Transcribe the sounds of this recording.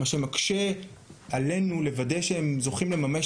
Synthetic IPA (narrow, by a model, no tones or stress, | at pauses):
aʃemakʃe | ale̞nule̞vade̞jʃeemzo̞χimle̞mame